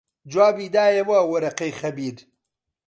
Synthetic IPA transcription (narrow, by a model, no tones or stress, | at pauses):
d͡ʒwaːbiːd̪aːjewawɐɾɐqɐjxɐbiːɾ